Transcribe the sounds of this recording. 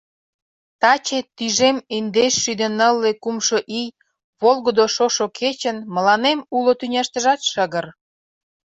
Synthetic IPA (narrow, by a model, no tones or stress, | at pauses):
t̪ɑt͡ɕet̪ːyʒemind̪eʃːyd̪ə̆nəlːekumʃoʔij | βolɣəd̪oʃoʃokʰet͡ɕənmə̆lɑnemulot̪ynʲɑʃt̪əʒɑt̪ʃəɣər